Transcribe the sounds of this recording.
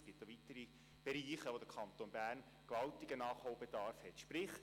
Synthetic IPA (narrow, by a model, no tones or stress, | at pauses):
sɡ̥itd̥oʋitəɾi | b̥eɾiːχəʋod̪əkʰɑnt̪oːnbæːɾn | kʋɑltiɡənɑːχhoʊbɛdɑɾfhɛtʃpɾɪχ